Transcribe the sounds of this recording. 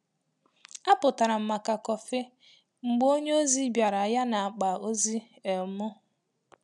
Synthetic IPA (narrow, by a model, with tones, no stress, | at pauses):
a˦pʊ˨ta˨ɾa˨m̩˨ma˨ka˨kɔ˨fɪ˦ | ŋ͡m̩˨ɡ͡bo˦ɲe˦o˦zi˦bja˨ɾa˨a˨ja˦na˨a˨k͡pa˨o˦zi˦ | e˨mʊ˦